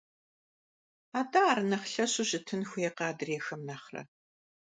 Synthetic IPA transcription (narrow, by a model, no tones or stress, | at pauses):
aːdɐaːɾɨnɐχɬɐɕʊʑɪtʰɨnxʷʊjɛqɑːdɨreːxɐmnaːχrɐ̰